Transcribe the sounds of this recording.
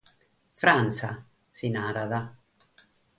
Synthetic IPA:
fɾansa̰ | sinaɾaða

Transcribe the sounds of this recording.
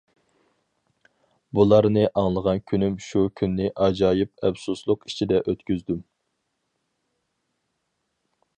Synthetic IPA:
bulˠɑɾnɨʔɑŋlˠəʁɑnkʲʰynymʃukʲʰynːɪʔɑd͡ʒɑːjip̚ɛpsuslˠʊqi̥t͡ʃʰid̪ɛʔøt̪kʲyzd̪ym

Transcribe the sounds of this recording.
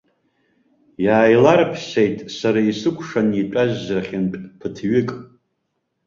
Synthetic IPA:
jaːjlarpʰsejtʼsaɾaisɨkʷʰʼʂaniʈ͡ʂʼaʒːraχʲɪnʈ͡ʂʼpʰɨtʰɥɪkʼ

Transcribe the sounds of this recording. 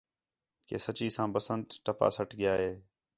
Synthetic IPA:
keːsət͡ʃiːsãːbəsənt̪ʈəpa̰ːsəʈʰɠɪjaːɦeː

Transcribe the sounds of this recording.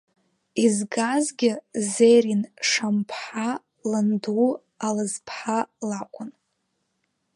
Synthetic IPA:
izɡazɡʲɪzejrinʂampʰħa | landu | alɨzpʰħalakʷʰʼʊn

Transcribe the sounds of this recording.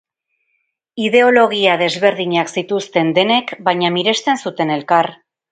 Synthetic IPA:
iðe̞o̞lo̞ɣiaðe̞zβe̞ɾð̞iɲaksit̪ust̪e̞nd̪e̞ne̞kbajɲamiɾe̞st̪e̞nsut̪e̞ne̞lkaɾ

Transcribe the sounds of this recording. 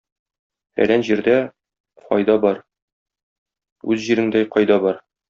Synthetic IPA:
æ̰ɾænʑiɾd̪æ | qɒ̰jd̪ɑbɒɾ | ʉzʑiɾɘ̆ŋd̪æjqɒjd̪ɑbɒɾ

